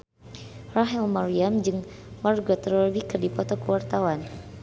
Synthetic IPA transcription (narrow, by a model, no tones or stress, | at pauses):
raɦɛlmaɾiamd͡ʒɨŋ | marɡɔt̪əɾɔrwikərdipɔt̪ɔkəwart̪awan